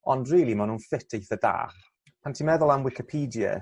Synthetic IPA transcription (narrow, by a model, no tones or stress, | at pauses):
ɔndriːlˠimanuːnfɪtʰejθəda̰ːχ | pʰantʰiːmɛðʊlˠamwɪkipʰiːdiə̰